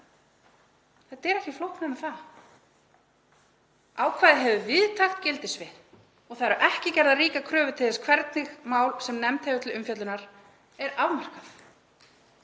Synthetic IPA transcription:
θɛt̪ːɛɾɛhcɪflowhknɪnaθa | aːwkʰvaːðɪɦɛvʏvɪðt̪ʰaxt̪cɪlt̪ɪsvɪð | ɔɣθaðɾʏɾʔɛhcɪcɛɾðariːkakʰɾœːvʏt̪ʰɪlθɛskʰvɛɾt̪nɪxmaːwlsɛmnɛmt̪hejvʏt̪ɪlʏmfjœt̪lʏnaɾ | ɛɾavmar̥kaθ

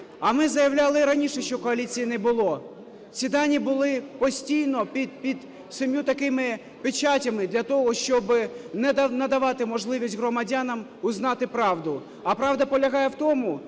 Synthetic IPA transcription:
ɐmɪzɐjɐwlʲɑlˠɪɾɐnʲiʃɛʃt͡ʃɔkɔɐlʲit͡sʲijinɛbʊlˠɔ | t͡sʲid̪ɑnʲibʊlˠɪpɔsʲtʲijnɔpʲipʲid̪ | sɪmʲjut̪ɐkɪmɪ | pɪt͡ʃatʲɐmɪd̪lʲɐt̪ɔɦɔʃt͡ʃɔbɪnɛnɐd̪ɐʋɑt̪ɪmɔʒlˠɪʋʲisʲtʲɦɾɔmɐdʲanɐm | ʊznɑt̪ɪpɾɑwd̪ʊ | ɐpɾɑʋd̪ɐpɔlʲɐɦɑjɛwt̪ɔmʊ

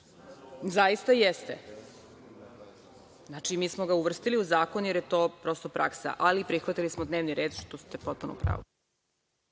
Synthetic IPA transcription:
zaist̪ajest̪e | znat͡ʂimiːsmoɡauʋr̩st̪iliuzaːkonjeɾjet̪o̞ːpɾo̞st̪o̞pɾʔa̰ksa̰ʔalipɾixʋat̪ilismod̪ne̞ːʋniɾeːd̪ʃt̪ost̪epo̞t̪̚puno̰pɾa̰ːʋo

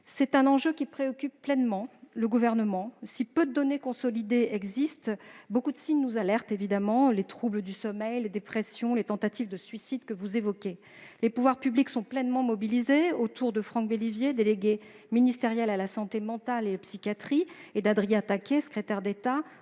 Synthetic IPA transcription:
sɛt̪ɛ̃nɑ̃ʒøkʲipχeɔkʲypːlɛnmɑ̃ləɡuvɛʁnəmɑ̃sipød̪əd̪ɔnekɔ̃sɔlid̪eɛɡzist̪bokud̪əsiɲnuzalɛʁt̪evid̪amɑ̃let̪χubləd̪ysɔmɛjled̪epχesjɔ̃let̪ɑ̃t̪at̪ivd̪əsɥisid̪kəvuzevɔkʲe | lepuvwaʁpybliksɔ̃plɛnmɑ̃mɔbilizeot̪uʁd̪əfχɑ̃kbelivjed̪eleɡʲe | minist̪eʁjɛlalasɑ̃t̪emɑ̃t̪alelapsikʲjat̪χied̪ad̪ʁijãt̪akʲesə̥kχet̪ɛʁd̪et̪a

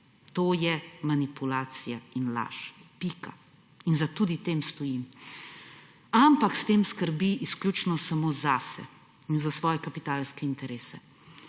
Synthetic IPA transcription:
t̪oːjɛmanipulaːt̪sijainla̰ːʃpika | inzat̪ud̪it̪emst̪ɔjim | ampakst̪emskəɾbiʔːsklʲut͡ʃnɔsamozasɛ̰ | inzasʋɔːjɛkapit̪aːlskɛint̪ɛɾeːsɛ

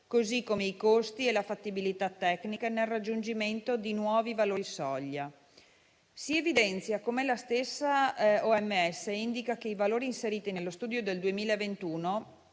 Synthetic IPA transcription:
kozikːomeikost̪ielafat̪ːibilit̪at̪ːɛknikanelrad͡ʒːund͡ʒiment̪od̪inwɔːvivaloːɾisɔʎːa | sievid̪ɛnt̪sjakomelast̪esːaɔɛmːeɛsːeind̪ikakeivaloːɾiːnseɾiːt̪inelːost̪uːd̪jod̪eld̪uemiːlaevent̪uːno

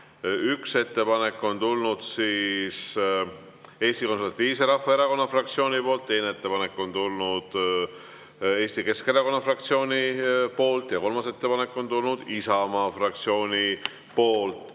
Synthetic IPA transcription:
ykse̞t̪ːe̞pɑne̞kːˑo̞nt̪ulnud̪̥siːs | e̞ːst̪iko̞nseɾvɑt̪ːˑiːvs̬e̞ɾɑfːɑeɾɑko̞nːɑfrɑkt̪sio̞ːnʲipo̞ːlt̪ːe̞jneet̪ːe̞pɑne̞kːˑo̞nt̪ulnud̪̥ | e̞ːst̪ike̞ske̞ɾɑko̞nːɑfrɑk̚t̪sio̞ːnʲipo̞ːlt̪jɑko̞lmɑse̞t̪ːe̞pɑne̞kːˑo̞nt̪ulnud̪̥isɑmɑːfrɑk̚t̪sio̞ːnʲi | po̞ːlt̪ːˑ

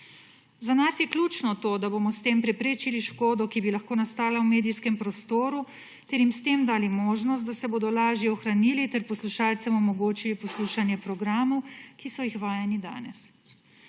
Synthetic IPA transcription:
zanasjɛklʲut͡ʃnɔt̪oːd̪aboːmɔst̪eːmpɾɛpɾeːt͡ʃiliʃkoːd̪ɔkibilaxkoːnast̪aːlawmeːd̪iskɛmpɾɔst̪oːɾu | t̪ɛɾjimst̪eːmd̪aːlimoːʒnɔst̪̚d̪asɛboːd̪ɔlaːʒjɛɔxɾanilit̪ɛɾpɔsluʃaːlt̪sɛmɔmɔɡoːt͡ʃilipɔsluːʃanjɛpɾɔɡɾaːmɔwkisɔjixʋaːjɛnid̪a̰ːnɛs

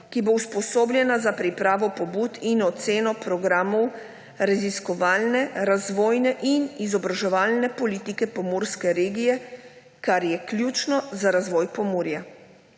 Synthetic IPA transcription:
kibowspɔsoːblʲjɛnazapɾipɾaːʋɔpɔbuːt̪inɔt̪seːnɔpɾɔɡɾaːmɔw | ɾaziskɔʋaːlnɛɾazʋɔːjnɛʔinizɔbɾaʒɛʋaːlnɛpɔliːt̪ikɛpɔmuːɾskɛɾeːɡijɛ | kaɾjɛkljuːt͡ʃnɔzaɾazʋɔːjpɔmoːɾja

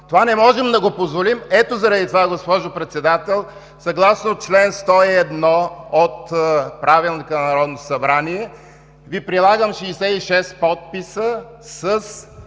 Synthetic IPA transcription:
t̪ovanɛmɔʒɛmd̪ɐɡopozvolimɛt̪ozɐɾɐd̪it̪ovaɡospɔʒopɾɛt̪sɛd̪at̪ɛlˠ | sɐɡlˠasnot͡ʃlɛnst̪ɔiɛd̪nɔot̪pɾavilˠnikɐnɐɾɔd̪nosɐbɾaniɛ | vipɾilˠaɡəmʃiːsɛiʃɛspɔt̪̚pisə | səs

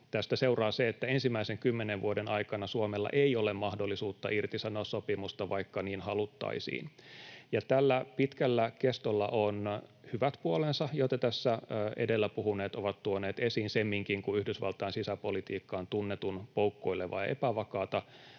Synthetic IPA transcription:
t̪æst̪æseurɑːseet̪ːæensimːæiseŋkymːeneʋʋuodenɑikɑnɑsuomelːɑ̰ʔeiolemmɑhdolːisuːt̪ːɑ̰ʔirt̪isɑnoːssopimust̪ɑʋɑikːɑniːnhɑlut̪ːɑ̰isḭːnjɑt̪ælːæpit̪kælːækest̪olːɑ̰ʔonhyʋæt̪puolensɑjoit̪ɑt̪æsːæːʔḛdelːæpuhuneːt̪oʋɑt̪t̪uoneːt̪esiːnsemːiŋkiŋkuyhdysʋɑ̰lt̪ɑːnsisæpolit̪iːkːɑːnt̪unːet̪unpoukːo̞ilːeʋɑ̰ːʔḛpæʋɑkɑːt̪ɑ

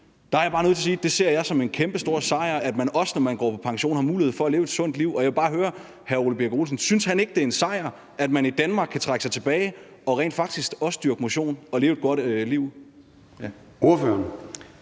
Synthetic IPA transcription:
d̥ɑæɐjäb̥ɑ̈ːno̽ð̩ˠt͡s̝ʰɐsiːd̥e̝se̝ɐ̰jɑ̈ɪsɒ̽me̝nkʰemb̥əsd̥o̝ɐ̰sɑ̈ɪɐæd̥mænɒ̽sənɒmænɡ̥ɒ̰ːpʰɒ̥̽pʰɑ̈ŋɕo̝̰ːnhɑ̈muːliheð̰ˠfɒ̽æle̝ːʊed̥sɔ̽n̰d̥liʊ̰ɒ̽jɑʋe̝bɑ̈ːɦøːɐ | hæɐoləb̥eɐɡ̥o̝ːlsn̩synshæne̝ɡ̥əd̥e̝ɐe̝nsɑ̈ɪ̰ɐ | æd̥mænid̥ænmɑ̈ːɡ̥kʰːæt͡sʰʁaɡ̥sɑ̈ɪt͡sʰe̝b̥ɛːɪ | ɒ̽ʁɛ̰ːnd̥fɑ̈ɡ̥̚d̥isɡ̥ɒ̽səd̥yɐɡ̥əmo̝ɕo̝̰ːnɒ̽le̝ːʊed̥̚ɡ̥ɒ̽d̥liʊ̰ | oɐføɐn

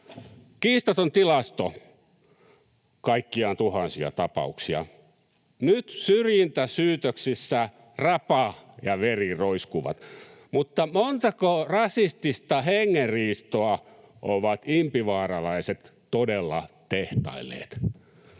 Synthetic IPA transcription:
kiːst̪ot̪ont̪ilɑst̪o | kɑikːiɑnt̪uhɑnsiɑ̰t̪ɑpɑ̰uksiɑ̰ | nyt̪syrjint̪æsyːt̪øksisːæ | rɑpɑjɑʋeriroiskuʋɑ̰t̪mut̪ːɑmont̪ɑkorɑsist̪ist̪ɑheŋːerriːst̪oɑ | ʔoʋɑt̪impiʋɑːrɑlɑiset̪ | todelːɑt̪eht̪ɑ̰ilːˑḛːt̪

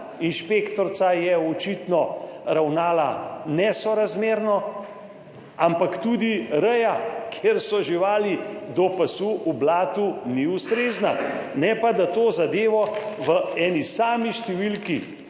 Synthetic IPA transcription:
inʃpeːkt̪ɔɾt̪sajɛɔt͡ʃit̪nɔɾawnaːlanɛsɔɾazmeːɾnɔ | ampakt̪uːd̪iɾɛjakʰjeɾsɔʒiʋaːlid̪ɔpɐsuʔublaːt̪uniust̪ɾeːznanɛpad̪at̪oːzad̪eːʋɔʋəɛːnisaːmiʃt̪ɛʋilki

